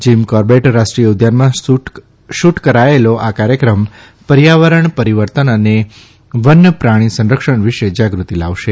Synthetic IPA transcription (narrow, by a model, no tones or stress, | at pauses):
d͡ʒimkɔɾbeʈɾaʃʈɾijəʊd̪ʱjanmã | ʃuʈkəɾaeloʔakaɾjəkɾəm | pəɾjaʋəɾəɳpəɾiʋəɾt̪ənəne | ʋənːəpɾaɽ̃isə̃nɾəkʃəɳʋiʃed͡ʒaɡɾut̪ilaʋʃe